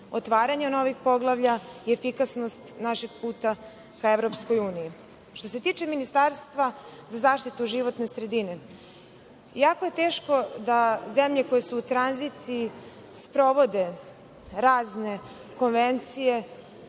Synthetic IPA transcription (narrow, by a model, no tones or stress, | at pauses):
o̞t̪ʋaːɾaɲeno̞ʋixpo̞ɡlˠaʋʎaiefikasno̞st̪naʃe̞ɡ̚puːt̪a | kaeʋɾo̞psko̞juːniji | ʃt̪ose̞t̪iːt͡ʃe̞minist̪aɾst̪ʋazazaːʃt̪it̪uʒiʋo̞t̪ne̞sɾe̞d̪ine̞ | jaːko̞je̞t̪eːʃko̞d̪aze̞mʎeko̞jesuːt̪ɾanzit̪sii | spɾo̞ʋo̞d̪e̞ | ɾaːzne̞ | ko̞nʋent̪sije̞